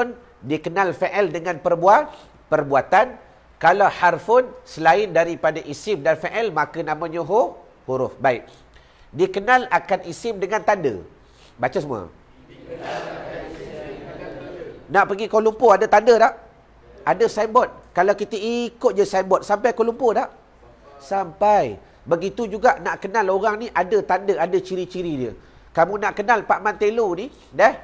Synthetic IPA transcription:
n | dikənalfɛʔɛldəŋanpərbua | pərbuat̪an | kalaharfʊnsəlaɪndaɾipadaʔisɪmdanfeʔɛlmakənamãɲəɦo | huɾʊfbaɪʔ̚ | dikənalakanisɪmdəŋant̪andə̰ | bat͡ʃasəmua̰ | naʔpəɡikolumpoadət̪andədaʔ | adəsaimbɔt̪̚kalawkit̪əʔikʊt̪̚d͡ʒəsaimbɔt̪̚sampajkolumpodaʔ | sampaj | bəɡit̪ud͡ʒuɡaʔnaʔkənaloɾaŋniʔadət̪andəadət͡ʃiɾit͡ʃiɾidiə | kamunaʔkənalpaʔmant̪eluni | dɛh

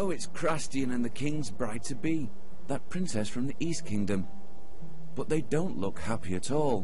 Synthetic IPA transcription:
oʊɨtskʰɹ̥æstiɨ̃nɨ̃nðɨkʰɪ̃ŋzbɹaɪtʰɨbi | ðət̚pʰɹ̥ɪ̃nsɛsfɹʌ̃mðiʔiskʰɪ̃ŋdɨ̃m | b̥ʌt̪̚ðeɪdõʊ̃nʔlʊkhæpiɨɾɔlˠ

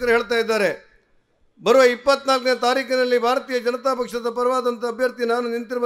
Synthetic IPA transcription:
kɐɾuɦeːɭt̪aːjid̪ːaːɾe̞ | bɐɾɐʋɐipːɐt̪naːlk̬neɐt̪aːɾiːkɐnɐlːibʱaːɾɐt̪iːjɐd͡ʒɐnɐt̪aːpɐkʂɐd̪ɐpɐɾɐʋaːd̪ɐnt̪ɐːbʱjɐɾt̪inaːnunint̪iɾbɐ

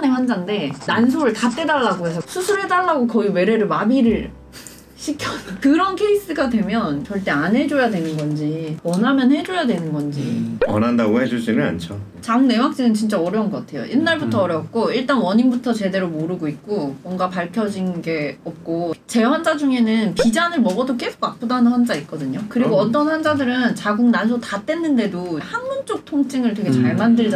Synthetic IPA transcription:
neɸwand͡ʑaŋde̞nans̬ʰoɾɯɭtat͈e̞daɭːaɡoesʰʌsʰusʰuɾɦe̞daɭːaɡokʌiwe̞ɾe̞ɾɯɭmabiɾɯɭ | ɕʰikʰjʌkɯɾʌnkʰe̞is͈ɯɡadwe̞mjʌnt͡ɕʌɭt͈e̞anɦe̞d͡ʑojadwe̞nɯnɡʌnd͡ʑiwʌnɦamjʌnhe̞d͡ʑojadwe̞nɯnɡʌnd͡ʑḭwʌnɦandaɡohe̞d͡ʑud͡ʑinɯɭa̰nt͡ɕʰo | t͡ɕaŋne̞wak̚t͡ɕ͈inɯnt͡ɕint͡ɕ͈aʌɾjʌunɡʌk͈atʰe̞jo̰ʔinːaɭbutʰʌːɾjʌp̚k͈oiɭt͈anwʌɲinbutʰʌt͡ɕe̞de̞ɾomoɾɯɡoit̚k͈omwʌŋɡapaɭkʰjʌd͡ʑinɡe̞ʌp̚k͈ot͡ɕe̞wand͡ʑad͡ʑuŋe̞nɯnpid͡ʑanɯɭmʌɡʌdok͈e̞sʰo̥k̚map͈odanɯnɸwand͡ʑait̚k͈ʌdɯɲokɯɾiɡoʌt͈ʌnwand͡ʑadɯɾɯnt͡ɕaɡuŋnansʰotat͈e̞nːɯnde̞dohanmunt͡ɕ͈ok̚tʰoŋt͡ɕ͈iŋɯɭtweɡet͡ɕaɭmandɯɭd͡ʑ

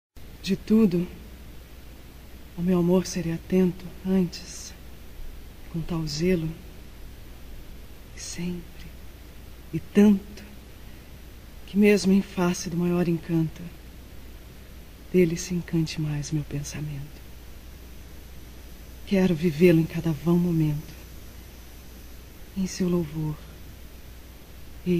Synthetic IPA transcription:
d͡ʒɪt̪ud̪ʊ | ɐwmewamoɾseɾeat̪ẽnt̪ʊɐ̃nt͡ʃɪ̥s | kõt̪awzelʊ | ɪsẽmpɾɪ | ɪt̪ɐ̃nt̪ʊ̥ | kɪmezmʊẽj̃fasɪd̪ʊmajɔɾẽkɐ̃nt̪ʊ | d̪̥elɪsɪẽkɐ̃nt͡ʃɪmajzmewpẽsamẽnt̪ʊ̥ | kɛɾʊvivelʊẽj̃kad̪ɐvɐ̃w̃momẽnt̪ʊ̥ | ẽj̃sewlowvoɾ | ɪ

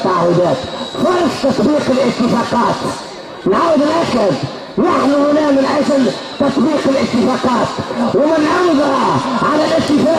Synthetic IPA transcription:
t̪ːaʕahʊd̪aːt̪fɑɾɑsˤt̪ɑt̪ˤbiːqɪlʔɪt̪ːɪfɑːqɑːt̪ | nʕawɪd̪ɪlʔakad̪ | jaħnihʊnaːmɪnʔaːsal | t̪ɑt̪ˤbiːqɪlʔɪt̪ːɪfɑːqɑːt̪wɪmɪnʕawɪd̪haʕalalʔɪt̪ːɪfɑː

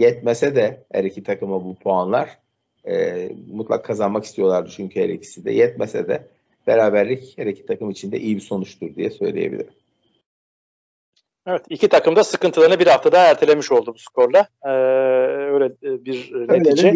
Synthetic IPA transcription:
jɛt̪̚mesɛd̪ɛhḛɾecʰit̪ʰakɯmabupʰoanlˠaɾ̥ | ɛmut̪lˠa̰kʰːazanmaki̥st̪ʰijo̞lˠaɾd̪ɯt͡ʃʰyɲcʰyheɾɛ̰cʰi̥sid̪ɛ̰jɛt̪̚mesɛ̰d̪ɛ̰ | b̥eɾaːbæɾlʲicheɾecʰi̥t̪ʰakɯmit͡ʃʰind̪ɛ̰ʔijibiso̞nut͡ʃt̪ʰuɾd̪ijɛsø̞̰jlʲḛjebḭlʲḭɾm | evɛt̪icit̪ʰakɯmd̪asɯkɯnt̪ɯlˠaɾnɯbiɾhaft̪ʰad̪anæɾt̪ʰelʲe̞miʃo̞lˠd̪ubuskʰo̞ɾlˠa | øjlʲɛbiɾneid͡ʒɛ

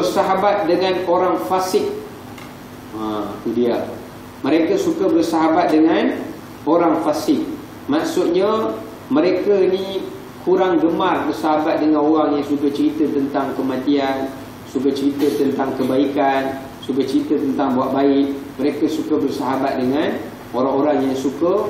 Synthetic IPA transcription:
bərsaɦabat̪̚dəŋãnoɾaŋfasɪk̚ | ak̪udia | mə̃ɾekasukabərsaɦabat̪̚dəŋan | oɾaŋfasɪk̚ | maksut̪̚ɲa | mə̃ɾekainĩ | kʰuɾaŋɡəmarbərsaɦabat̪̚dəŋãnoɣaŋjaŋsukat͡ʃəɾit̪ət̪ənt̪aŋkəmãt̪ian | sukat͡ʃəɾit̪ət̪ənt̪aŋkəbaikan | sukat͡ʃəɾit̪ət̪ənt̪aŋbuaʔ̪̚baɪʔmə̃ɾekasukabərsaɦabat̪̚dəŋãn | oɾaŋoɾaŋjaŋsukə

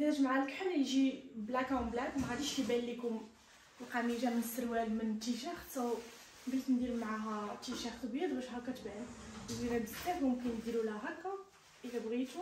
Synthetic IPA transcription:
d̪nəʒmaʕaləkħəɾjʒiblækæmblækmæqæd̪iʃibælːikʊm | lqɑmiʒæmənəsːəɾwælmənt̪iʃæxt̪æw | bilt̪nd̪iɾmʕaɦæt̪iʃæxt̪bid̪wæʃɦækːæt̪bænziɾæd̪əæfmʊmkənjd̪iɾulæɦækːæ | ʔəlæbɣit̪u

